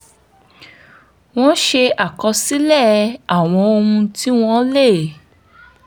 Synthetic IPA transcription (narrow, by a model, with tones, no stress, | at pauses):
w̃ɔ̃˦ʃe˧a˨kɔ˧si˦lɛ˦˨a˨w̃ɔ̃˧o˧hũ˧ti˦w̃ɔ̃˦le˦˨